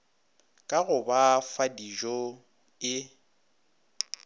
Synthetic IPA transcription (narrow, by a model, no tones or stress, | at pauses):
kʼaɣʊbafadiʒɔ | ɪ